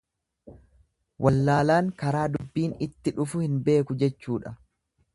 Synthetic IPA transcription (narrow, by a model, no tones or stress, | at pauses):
wʔɐlːaːlaːŋkɐɾaːd̪ʊbːiːnɪt̪ːɪᶑʊfʊhɪnbe̞ːkʊd͡ʒɛt͡ʃːuːᶑɐ